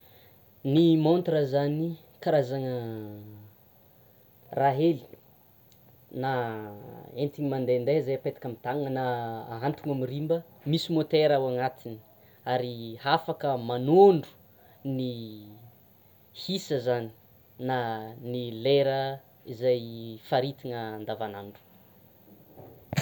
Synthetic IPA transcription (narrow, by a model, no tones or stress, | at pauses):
nimont̪rəzani | kaɾazaŋə | raɦeli̥ | na | ent̪iŋimand̪end̪eizajapet̪ḁkʲamit̪aŋənaːɦant̪uŋamirimbə | misimot̪eɾawaŋat̪ini̥ | aɾihafakəmanoɳɖ͡ʐu̥ | ni | hisəzani̥ | nanileɾə | izajfaɾit̪iŋəːnd̪avanaɳɖ͡ʐu̥